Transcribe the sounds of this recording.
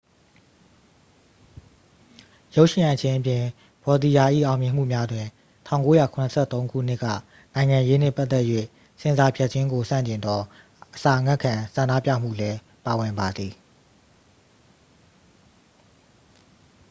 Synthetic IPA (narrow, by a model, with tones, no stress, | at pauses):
jo˦ʊʔʃɪ̃˨ã˨t͡ɕʰẽ˦ʔəpjɪ̃˨ | b̥ɔ˨d̪i˨ja˨ʔḭ˦˨ʔã˨ʊmjɪ̃˨m̥ṵ˦˨mja˦dwɪ̃˨ | tʰã̰˦˨ʊ̃ko˦ja˨kʰʊ˨nə˨sʰɛ̰˦˨t̪õ˦ʊ̃kʰṵ˦˨n̥ɪ˦˨kːä̰˦˨ | nã˨ɪ̃ŋã˨je˦n̥ɪ̰˦˨pa˦t̪ɛ˦ʔjwḛ˦˨ | sɪ̃˨za˨pʰɛ˦ʔ̚t͡ɕʰɪ̃˦ŋɡo˨sã̰˦˨ɲt͡ɕɪ̃˨nd̪ɔ˨ | ʔəsa˨ʔəŋa˦˨kʰã˨sã˨nda̰˦˨pja̰˦˨m̥ṵ˦˨lɛ˦ | pa˨wɪ̃˨mba˨d̪ði˨